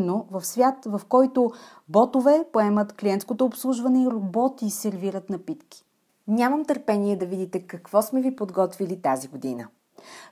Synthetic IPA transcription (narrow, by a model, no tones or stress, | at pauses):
novɐfsvʲjat̪vɐfkɔjt̪ʊ | bɔt̪ovɛpoɛmət̪klʲiɛnt̪skot̪oːpslˠuʒvɐnɛiɾobɔt̪iːsɛɾviɾət̪nɐpit̪k̟i̥ | nʲaməmt̪əɾpɛniɛd̪ɐvid̪it̪ɛkɐkvɔsmɛvipod̪ɡɔt̪vilit̪aziɡod̪inə